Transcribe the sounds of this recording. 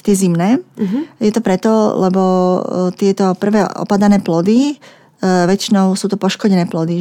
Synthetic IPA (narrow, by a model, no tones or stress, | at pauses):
t̪ɪɛzimnɛːjɛt̪ɔpɾɛt̪ɔlɛbɔt̪ɪɛt̪ɔpr̩ʋɛːʔɔ̰pad̪anɛːplɔd̪i | ʋɛt͡ʃinɔʊsuːt̪ɔpɔʃkɔɟɛnɛːplɔd̪i